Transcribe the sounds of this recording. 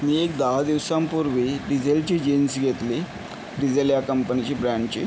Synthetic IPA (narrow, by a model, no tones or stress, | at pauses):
miek̚d̪aɦad̪iʋsampuɾʋiːɖid͡ʑelt͡ɕiːd͡ʑinsɡʱet̪li | ɖid͡zeljakəmpənit͡ɕiːbɾæ̃ɳɖt͡ɕḭː